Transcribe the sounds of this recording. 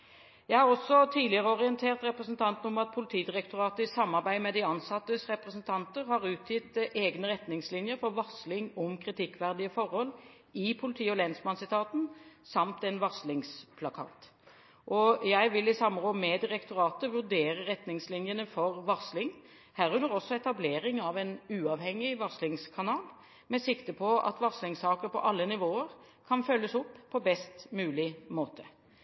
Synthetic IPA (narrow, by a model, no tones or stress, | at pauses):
jæɪhɑʁɔsːɔt̪ʰiːd̪lɪəʁəɔʁɪənt̪ʰeːʁt̪ɾɛpɾəsənt̪ʰɑnt̪n̩ɔmɑt̪̚pʰʊlɪt̪ʰiːd̪ɪʁɛkt̪ʊʁɑːt̪əɪsɑmːɑʁbæɪmɛd̪ɪɑnsɑt̪ːəsʁɛpɾəsnt̪ʰɑnt̪əʁhɑʁʉːt̪ʰjɪt̪ʔeːɡnəʁɛt̪nɪŋslɪnjəɾfɔʁʋɑslɪŋɔmkʰʁɪt̪ʰɪkːʋæʁd̪ɪəfɔʁhɔlː | ɪpʰʊlɪt̪ʰiːɔlɛnsmɑnsɪt̪ʰɑːt̪n̩sɑmt̪ɛnʋɑslɪŋspʰlɑkʰɑ̰ːt̪ | ʔɔjæɪʋɪlɪsɑmːəʁoːmɛd̪ɪʁɛkt̪ʊɾɑːt̪əʋʉʁd̪eːʁəʁɛt̪nɪŋslɪnjənəfɔʁʋɑʁslɪŋ | hæːʁʉnːəʁɔsːɔɛt̪ɑbleːʁɪŋɑʋɛnʉːɑʋhɛŋːɪʋɑʁslɪŋskʰɑnɑːl | mɛsɪkt̪əpʰɔɑ̰t̪ʋɑʁslɪŋsɑːkəʁpʰɔ̰ʔɑlːənɪʋoːəʁ | kʰɑnfœlːəsɔpːpʰːɔbɛst̪mʉːlɪmoːt̪ʰə̥